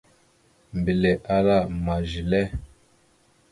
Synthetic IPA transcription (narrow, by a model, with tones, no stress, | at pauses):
m˨bi˨le˨ʔa˦ɾa˦˨ma˨ʒi˨lɛ˦